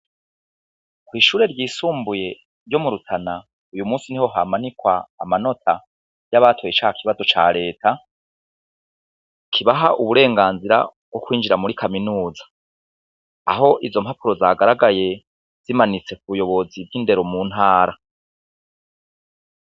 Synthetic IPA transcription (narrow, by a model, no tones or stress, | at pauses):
kwiːʃuːɾe̞ɾjiːsuːmbuje̞ | ɾjo̞muɾutʰana | ujumuːsin̥iho̞ɦamanikwa̰ːmano̞tʰa | jaβaːtʰo̞jet͡ʃaːhakʰiβazo̞t͡ʃa̰ːɾe̞ːta | kʰiβaɦaʔuβuɾe̞ːŋɡaːnziɾa̰ | ɡwokwiːnd͡ʒiɾamuɾikʰaminuːzḁ | a̰ɦo̞ʔizo̞mhapuɾo̞zaɡaɾaɡaje̞ | z̥imanit͡se̞kuβujo̞βo̞ziβjinde̞ɾo̞muːn̥haːɾa